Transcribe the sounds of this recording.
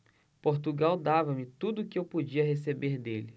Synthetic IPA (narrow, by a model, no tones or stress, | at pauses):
poɾt̪uɡawd̪avɐmɪt̪ud̪ʊːkɪewpod͡ʒiɐɦesebeɾd̪elɪ